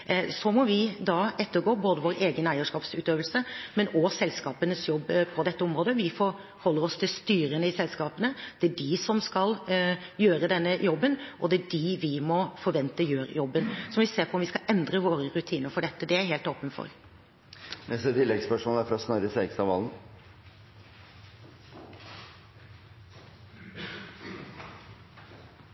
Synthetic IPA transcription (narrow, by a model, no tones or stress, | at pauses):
sɔmɔʋɪd̪ɑːɛt̪ːəɾɡoːboːd̪əʋoːɾeːɡənæɪəʂkɑːpsʉːt̪øːʋəlsəmɛnɔsɛlskɑːpənəsjɔbːpʰɔd̪ɛt̪ːəɔmɾoːd̪əʋɪfɔɾ | hɔlːəɾɔst̪ʰɪlst̪yːɾənəɪsɛlskɑːpənəd̪̥ɛæɖɪsɔmskɑljøːɾəd̪ɛnːəjɔbːənʔɔd̪ɛæɖɪʋɪmɔfɔɾʋɛnt̪əjøːɾjɔbːənsɔmʋɪseːɾpʰɔɔmʋɪskɑʔɛnd̪ɾəʋoːɾəɾʉt̪ʰiːnəɾfɔɖɛt̪ːəd̪ɛæɾɦeːlt̪oːpənfɔ̰ɾ | nɛsɛt̪ʰɪlːɛɡspœʂmɔːæɾfɔɾɔsnœɾəseːɡst̪ɑʋɑːln̩